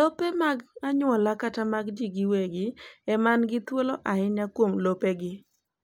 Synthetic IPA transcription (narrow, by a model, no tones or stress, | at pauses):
lopemaɡaɲwɔlakatamaɡd͡ʒiɡɪweɡɪɛmanɡɪt̪woloʔaɪɲakwomlopeɡɪ